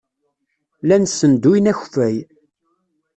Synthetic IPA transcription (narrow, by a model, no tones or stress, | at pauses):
lænsənd̪ujnæçfæj